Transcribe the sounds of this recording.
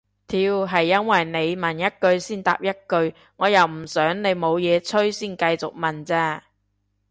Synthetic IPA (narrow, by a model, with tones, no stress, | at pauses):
t̪ʰiː˧wɦɐ˨jːɐ˥nwɐ˨jne˨˧jmɐ˨njɐ˥t̚kɵ˧ɥsiː˥nt̪a̰ː˨p̚jɐ˥t̚kɵ˧ɥ | ŋɔː˨˧jɐ˨˩wm̩˨˩sœː˨˥ŋne˨˧jmo˨˧wjɛː˨˧t͡sʰɵ˥ɥsiː˥˩nkɐ˧jt͡sʊ˨k̚mɐ˨˩nt͡sɛː˥